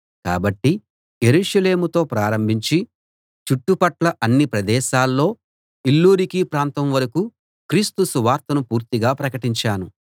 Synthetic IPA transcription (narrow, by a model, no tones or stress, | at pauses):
ka̰ːbɐʈːi | je̞ɾuːʃɐle̞ːmut̪o̞ːpɾaːɾɐmbʱiɲt͡ʃi | t͡ʃuʈːupɐʈlɐʔɐnːipɾɐd̪ɛːʃaːlːo̞ː | ilːuːɾikiːpɾaːnt̪ɐmʋɐɾɐku | kɾiːst̪usuʋaːɾt̪ɐnupuːɾt̪iɡaːpɾɐkɐʈiɲt͡ʃaːnu